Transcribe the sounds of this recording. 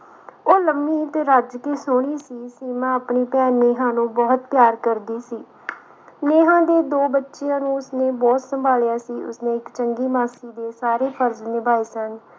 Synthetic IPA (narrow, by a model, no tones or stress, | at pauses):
oːləmːĩːt̪ɾaːd͡ʒkeːsʊːɽ̃iːsiːsiːmãːapɳiːpɛːnmeːɦãːnũːbɔːt̪pjaːɾkəɾd̪iːsiː | neːɦãːd̪eːd̪oːbətːʃijãːnũːʊsneːbɔːt̪səmbʱaːljaːsiːʔʊ̰snẽːɪkt͡ʃəŋɡiːmaːsiːd̪eːsaːɾeːpʰəɾznɪbaːiːsən